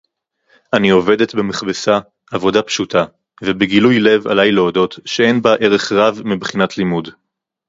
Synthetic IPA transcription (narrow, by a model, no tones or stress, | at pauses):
ʔanio̞ve̞de̞tbemeχbesaː | vo̞dapʃuta | vebeɡilujle̞va̰lajleodo̞tʃee̞nbaʔe̞ʁe̞χʁavmibχinatʰlimud